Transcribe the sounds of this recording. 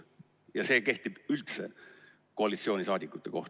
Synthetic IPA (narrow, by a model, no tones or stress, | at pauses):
jɑse̞ːke̞ht̪ib̥ylt̪se̞̰ | ko̞ɑlʲit̪sio̞ːnʲisɑːd̪ʲikːˑut̪ːˑe̞ko̞ht̪